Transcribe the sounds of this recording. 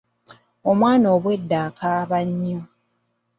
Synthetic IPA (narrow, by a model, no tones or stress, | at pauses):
omwaːno̞ːβwe̞dːaːkʰaːβaɲːo